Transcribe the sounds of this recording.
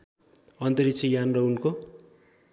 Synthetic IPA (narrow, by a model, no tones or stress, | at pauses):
ʌnt̪ʌɾit͡sʰijanrʌunko